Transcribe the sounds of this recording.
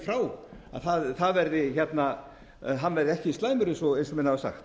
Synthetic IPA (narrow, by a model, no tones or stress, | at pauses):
fɾaːwa̰ðθaðθaðvɛɾðɪçɛt̪na | ɦanːvɛɾðɪɛhcɪist̪laːjmʏɾʏsɔejnsɔmɛnhavasa̰xt̪